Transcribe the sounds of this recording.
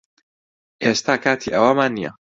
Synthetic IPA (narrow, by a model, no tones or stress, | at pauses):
ʔeːst̪aːkʰaːt̪ʰiːʔɐwɐmaːnːijɐ̰